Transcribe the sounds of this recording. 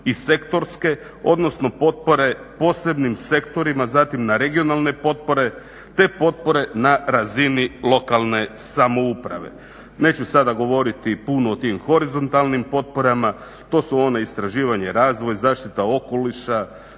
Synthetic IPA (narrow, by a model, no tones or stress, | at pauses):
ise̞kt̪o̞ɾske̞ | o̞̰d̪no̞sno̞po̞t̪̚po̞ɾe̞ | po̞ːse̞bnimse̞kt̪o̞ɾimazat̪imnaɾe̞ɡio̞nalˠne̞po̞t̪̚po̞ɾe̞ | t̪e̞po̞t̪̚po̞ɾe̞naɾazinilˠo̞kalˠne̞samo̞upɾa̰ʋe̞̰ | ne̞ːt͡ɕusad̪aɡo̞ʋo̞ɾit̪ipunoot̪imxo̞ɾizo̞nt̪alnimpo̞t̪̚po̞ɾama | t̪o̞ːsuo̞neist̪ɾaʒiːʋaɲe̞ɾaːzʋo̞jzaːʃt̪it̪ao̞ko̞liʃa